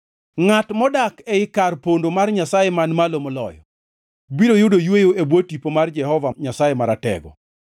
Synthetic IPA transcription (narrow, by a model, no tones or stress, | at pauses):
ŋatmɔdakɛɪkarpondomarɲasajemanmalomɔlɔ̰jɔ̰ | biɾojʊdojwejoebwotipomard͡ʒɛhɔvaɲasajemaɾatɛ̰ɡɔ̰